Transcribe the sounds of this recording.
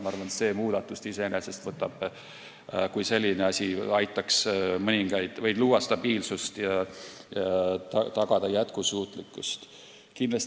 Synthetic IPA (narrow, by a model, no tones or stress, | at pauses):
mɑɑɾrvɑnse̞ːmuːd̪̥ɑt̪ːˑust̪ise̞enesest̪vɤt̪ːˑɑb̥ | kujse̞lʲːineɑsʲiɑjt̪ːˑɑksmɤnʲiŋɡ̥ɑjd̪̥vɤjd̪luːwɑst̪ɑbiːlsust̪jɑjɑt̪ɑt̪ɑɡ̥ɑd̪̥ɑjæt̪kusuːt̪ˑlikːˑust̪ | kinlɑs